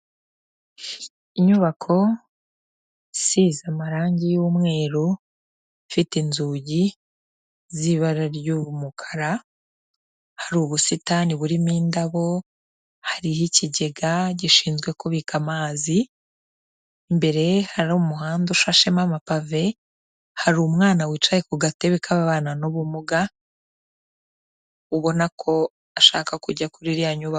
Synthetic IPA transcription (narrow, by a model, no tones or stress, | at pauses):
iɲuβakʰo̞ | sizamaɾaːɲɟijuːmŋe̞ːɾu | fitinzuːɟi | ziβaɾaɾjuːβumukʰḁɾa | haɾuːβusitaniβuɾimiːndaβo̞ | haɾihiciɟe̞ɡaɟiʃiːnzɡwe̞ko̞βikamaːzi | mbe̞ɾe̞haɾomuɦaːnduʃaʃemamapave̞ | haɾuːmŋaːnawiːt͡ʃajekuɡate̞βekʰaβaβaːnanoβumuɡa | uβo̞nakʰo̞ | aʃa̰ːkakuɟakuɾiɾijaɲuβa